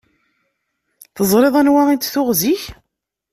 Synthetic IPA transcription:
θəzˤɾˤeðˤænwaint̪θʊʁziç

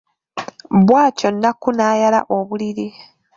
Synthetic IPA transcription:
βwaːco̞nːakunaːjala̰ʔo̞βuliɾi

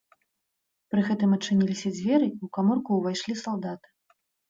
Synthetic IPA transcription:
pɾɨɣɛt̪ɨmɐtt͡ʂːɨnʲilʲisʲɐd͡zʲvʲɛɾɨiwkamɔrkuːvajʂlʲisalˠd̪at̪ɨ̥

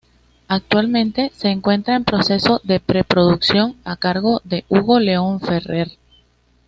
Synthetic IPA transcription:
ak̚t̪walmẽ̞nt̪e̞se̞ːŋkwe̞nt̪ɾaempɾo̞se̞so̞ðe̞pɾe̞pɾo̞ðuksjo̞ŋakaɾɣo̞ðe̞ʔuɣo̞le̞o̞ɱfe̞re̞ɾ

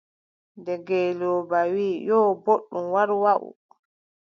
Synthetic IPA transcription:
ndɛɡɛlɔbawiːjɔːboɗːumwaɾwaʔṵ

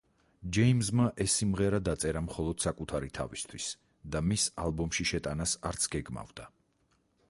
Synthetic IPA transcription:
d͡ʒɛimzmaʔɛsːimʁɛɾad̪at̪sʼɛɾamχɔlˠɔd̪̥sakʼut̪ʰaɾit̪ʰa̰vist̪ʰwis | d̪amisalˠbɔmʃiʃɛt̪ʼanasaɾt̪sʰɡɛɡma̰vd̪̥a

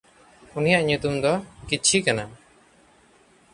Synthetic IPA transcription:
unijaʔɲut̪umd̪ɔkit͡ʃʰikana

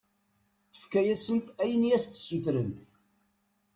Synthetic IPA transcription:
θə̥fkæjæsənt̪æjənjæst̪ːsuθɾənt̪

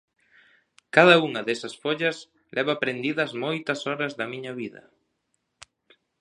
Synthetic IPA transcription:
kaðɐuŋɐðɛsɐsfoʎɐs | lʔɛβɐpɾend̪iðɐzmojt̪ɐsɔɾɐzðɐmiɲɐβiðɐ̰

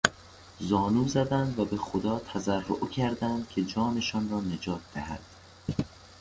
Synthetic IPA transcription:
zɒːnuːzæd̪ænd̪væbe̞xod̪ɒːt̪ʰæzærːo̰ʔcʰæɾd̪ænd̪̥̚kʲʰe̞d͡ʒɒːne̞ʃɒːnrɒːne̞d͡ʒɒːt̪̚ʰd̪æhæ̰d̪̥

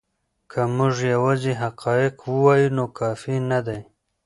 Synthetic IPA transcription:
kʰamʊʐjawɑziɦaqʰɑjɪqwəwɑjunokʰɑfinad̪aj

